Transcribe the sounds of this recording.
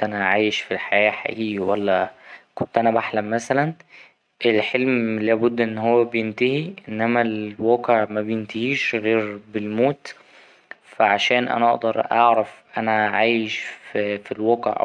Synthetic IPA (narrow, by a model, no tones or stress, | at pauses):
ʔænæʕaːjeʃfilħajæːħa̰ʔiːɡwælːækont̪ʔænæbaħlæmmæsælæn | ʔelħelmlæːbʊd̪ːʔenːhowːæbejent̪æhiʔenːæmælwæːqeʕmæbejent̪æhiːʃɣeːɾbelmoːt̪ | fæʕaʃæːnʔæ̰næʔɑ̰ʔd̪ɑɾˤʔɑ̰ʕɾæfʔænæʕaːjeʃffilwæːqḛʕʔæ̰